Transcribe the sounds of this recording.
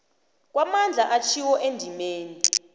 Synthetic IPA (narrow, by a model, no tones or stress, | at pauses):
k̬ʼwamand͡ɮʱaʔat͡ʃʰiwɔʔendʱimeːni